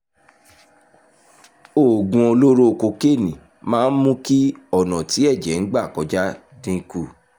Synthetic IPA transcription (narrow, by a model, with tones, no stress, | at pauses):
o˨ɡũ˨o˧lo˦ɾo˦˨ko˧ke˦˨nĩ˨ | mãː˦n̩˦mũ˦ki˦ɔ˦˨nã˨ti˨˦ɛ˦˨d͡ʒɛ˨˦n̩˦ɡ͡ba˦˨kɔ˨˦d͡ʒa˦ | dĩ˧˦ku˦˨